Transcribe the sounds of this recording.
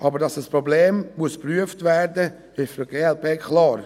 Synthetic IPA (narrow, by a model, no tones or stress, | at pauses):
ʔɑbəɾdɑsəspɾɔbleːmmuəspɾyəftvæːɾdə | ɪʃəɡ̥eːɛlpʰeːkχlɑːɾ